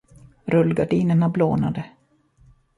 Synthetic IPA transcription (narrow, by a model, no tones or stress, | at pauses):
ɾɵlɡaɖiːnəɳabloːnad̪ə